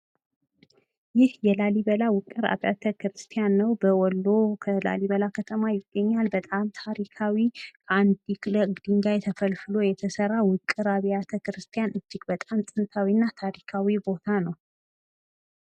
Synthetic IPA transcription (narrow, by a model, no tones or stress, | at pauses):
jɪhjɛlaliβəlawʊkʼːɨɾa̰βja̰t̪ʰəkɨɾɨst̪ʰijanːəwbəwɔlːo̞kʰəla̰liβəlakʰət̪ʰəmajɪɡːəɲːalbət̪ʼamt̪ʰaɾikʰawikʰand̪ikləɡd̪ɨŋɡajt̪ʰəfəlfɨlo̞jɛt̪ʰəsərːawʊkʼːɨɾaβijat̪ʰəkɨɾɨst̪ʰijanɨd͡ʒːɪɡbət̪ʼamsʼɨnt̪ʰawinːat̪ʰaɾikʰawibo̞t̪ʰanəw